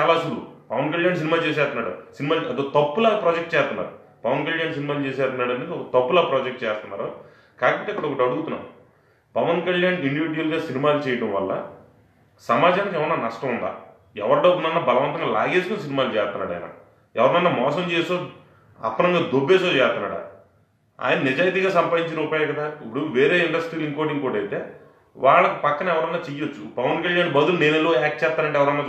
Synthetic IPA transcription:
t͡ʃaːlasudṵpɐʋɐnkɐljaːns̬inimaːt͡ʃeːs̬ɛːst̪unːaːɽusinimaːlɐd̪ot̪ɐpːulaːpɾɔːd͡ʒek̚ʈ̚t͡ʃɛːst̪unːa̰ːɾu | pɐʋɐnkɐljaːns̬inimaːlut͡ʃeːsɛːst̪unːaːɽɐneɔkɐt̪ɐpːulaːpɾɔːd͡ʒek̚ʈ̚t͡ʃɛːst̪unːaːɾo | kaːkɐpɐʈːeɐkːɐɽɐɔkɐʈɐɽuɡut̪unːa̰ːmu | pɐʋɐnkɐljaːniɳɖiʋiɖiʋɐlɡaːsinimaːlut͡ʃɛːjɐʈɐmʋɐlːɐ̰ | sɐmaːd͡ʒaːnkɛʋɐnːaːnɐʂʈɐund̪a̰ː | ɛʋɐɾɐɖɐbunɐnːaːbɐlɐʋɐnt̪ɐŋɡaːla̰ːɡeːd͡ʒikons̬inimaːlut͡ʃɛːst̪unːa̰ːɽaːjnɐ̰ | ɛʋɐɾɐnɐnːaːmɔːsɐmt͡ʃeːsoː | ɐ̰pːɐnɐŋɡaːd̪obːeːsoːt͡ʃɛːst̪unːa̰ːɽɐ̰ | a̰ːjɐnɐnid͡ʒaːjt̪iːɡaːsɐmpaːd̪iɲt͡ʃiɾuːpaːjakɐd̪aːipːuɽuʋeːɾeːiɳɖɐsʈiːliŋkoːɖiŋkoːɽɐjit̪e̞ː | ʋaːɭːɐkipɐkːɐnɐɛʋɐɾɐnːaːt͡ʃijiot͡ʃːupɐʋɐnkɐljaːnbɐd̪ulneːnelːoɛːk̚ʈ̚t͡ʃɛːst̪ːaːɾɐɳʈeːɛʋɐɾɐnːaː

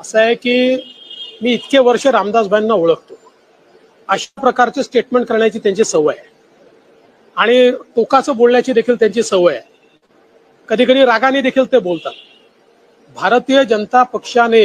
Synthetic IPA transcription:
əsəjekiː | miːt̪keʋəɾʂəɾamd̪ad͡zbʱajnːaoɭəkʰt̪o | əɕapɾəkaɾt͡sesʈeʈmeɳʈkəɾɳjat͡ɕiːt̪jaɲt͡ɕisəʋəje | aɽ̃iʈokat͡səːbolɳjat͡ɕiːd̪ekʰiːlt̪jaɲt͡ɕiːsəʋəjḛ | kəd̪ʱiːkəɽiːɾaɡaniːd̪ekʰiːlt̪ebolt̪at̪ | bʱaɾt̪ijəd͡ʑənət̪apəkʂane

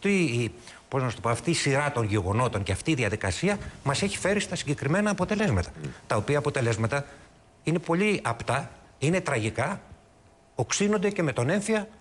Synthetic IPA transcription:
t̪i | opo̞znɐst̪o̞poɐft̪iːsiɾɐt̪o̞nʝe̞ɣo̞no̞t̪o̞ɲceɐft̪iːðiɐðikɐsiɐmɐse̞çi̥fe̞ɾist̪ɐsiɲɟe̞kɾime̞nɐːpo̞t̪e̞le̞zmɐt̪ɐ̥t̪ɐo̞piɐːpo̞t̪e̞le̞zmɐt̪ɐ | ine̞po̞ʎiɐpt̪ɐ | ine̞t̪ɾɐʝikɐ | o̞ksinond̪e̞ce̞me̞t̪o̞ne̞ɱfiɐ

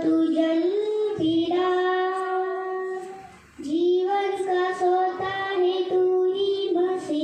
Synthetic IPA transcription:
t̪ud͡ʒɐlpiɽa | d͡ʒiːʋənkasoːt̪anet̪uɦimɐsi

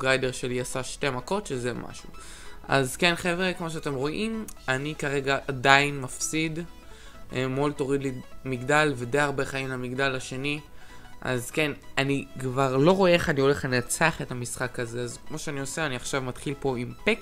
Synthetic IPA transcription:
ɡajde̞ʁʃeliasaʃte̞mako̞tʃeze̞mʔa̰ʃuʔa̰zke̞nχevʁekmoʃ̬eate̞mʁo̞ʔimanikaʁe̞ɡaʔadainmafsid | ʔmolto̞ʁidlimiɡdalved̪ejaʁbe̞χaimlamiɡdalaʃe̞niʔa̰zkenanikvaʁlo̞ʁo̞eeχanio̞le̞χaniat͡saaχetamisχakaze̞azkmoʃeanio̞seaniaχʃavmatχilpo̞impek

